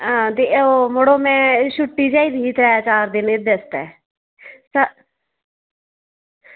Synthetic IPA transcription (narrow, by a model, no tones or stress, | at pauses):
ãːt̪eomoɽoːmɛ̃ːʃʊʈːiːd͡ʒaːiːd̪iiːt̪ɾɛːaːt͡ʃaːɾd̪ɪned̪est̪ɛ̰ː | sa